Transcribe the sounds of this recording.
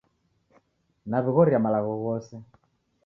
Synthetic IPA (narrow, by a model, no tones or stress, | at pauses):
naβiɣɔɾiamalaɣɔɣɔsɛ